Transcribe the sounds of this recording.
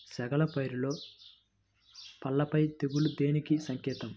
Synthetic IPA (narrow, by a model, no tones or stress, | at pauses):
sɐɡɐlɐpɐjɾulo̞ː | pɐlːɐpɐjt̪e̞ɡulud̪e̞ːnikisɐŋkɛːt̪ɐm